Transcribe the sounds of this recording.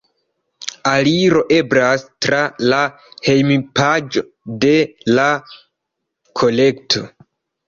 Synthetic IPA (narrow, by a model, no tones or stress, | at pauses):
aliɾo̞ʔe̞bɾastɾala | he̞jmipad͡ʒo̞ | de̞la | kʰo̞le̞ktʰo̞̰